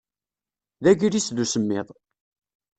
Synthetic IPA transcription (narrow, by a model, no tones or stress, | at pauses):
ðæʝiɾisðusəmːɪ̰ðˤ